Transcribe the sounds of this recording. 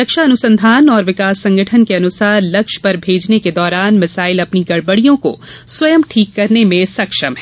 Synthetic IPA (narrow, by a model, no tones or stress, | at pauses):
ɾɐkʃaɐnʊsə̃nd̪ʱaːnɔːɾʋɪkaːsːɐ̃ŋɡəʈʰənkeɐnʊsaːɾlɐkʃpɐɾbʱeːd͡ʒneked̪ɔːɾaːnmɐsaːɪlɐpniɡɐɽbəɽijõko̰sʋɐjəmʈʰiːkːɐɾnemẽsɐkʃəmɦɛː